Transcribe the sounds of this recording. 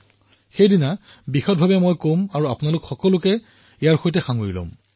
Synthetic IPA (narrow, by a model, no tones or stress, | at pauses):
xejdina | bixɔt̚bʱabɛmojkomaɹuapʊnalʊkxɔkɔlʊkɛ | ijaɹxojtɛxaŋoɹilɔ̰̃m